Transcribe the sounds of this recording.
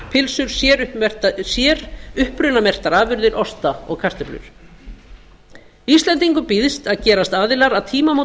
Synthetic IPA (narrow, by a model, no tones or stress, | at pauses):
pʰɪlsʏɾ̥sjɛɾʏɛ̥t̪sjɛɾʏhpɾʏnamɛr̥t̪aɾaːvʏɾðɪɾʔɔst̪aɔ̰ɣkʰar̥t̪ɪplʏ̰ɾ̥ | ist̪lɛnt̪iŋkʏpɪðst̪aðcɛːɾast̪aːðɪlaɾaðt̪ʰiːmamo